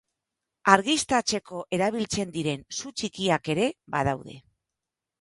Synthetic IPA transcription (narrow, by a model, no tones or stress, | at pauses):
aɾɣist̪at͡se̞ko̞ʔe̞ɾaβ̞ilt͡se̞nd̪iɾe̞nsut͡ʃikiake̞ɾe̞baðawðe̞̰